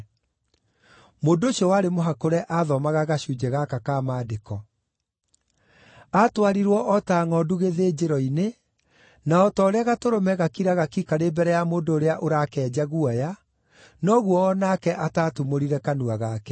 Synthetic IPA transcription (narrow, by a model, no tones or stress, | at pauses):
moːndoɕɔwaɾemoɦakoɾɛʔaðɔmaɣaɣaɕud͡ʑɛɣakakaːmaːdekɔ | atwaɾiɾwɔʔɔtaːŋɔduɣeðeːd͡ʑeɾɔine | naɔtɔɾeaɣatoɾomɛɣakiɾaɣakikaɾebɛɾɛjamoːndoːɾeaʔoɾaːkɛːd͡ʑaɣuaja | nɔɣwɔːnakɛʔataːtumoɾiɾɛkanuaɣaːkɛ